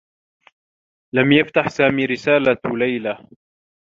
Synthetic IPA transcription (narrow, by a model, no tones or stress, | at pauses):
lamjaft̪aħsaːmiːɾɪsaːlalajla